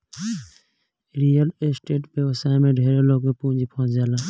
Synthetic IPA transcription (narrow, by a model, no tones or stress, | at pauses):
ɾijəlesʈeːʈbjəʋəsaːemẽɖʱeːɾeloːɡmẽpũːd͡ʒipoɦt͡ʃd͡ʒaːlaː